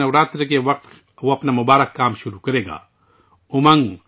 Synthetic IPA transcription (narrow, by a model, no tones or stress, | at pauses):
ɐwɾaːt̪ɾkeʋɐq̚t̪ | ʋoɐpnamʊbaːɾəkːaːmʃʊɾukɐɾeːɡa̰ː | ʊmɐ̃ŋɡ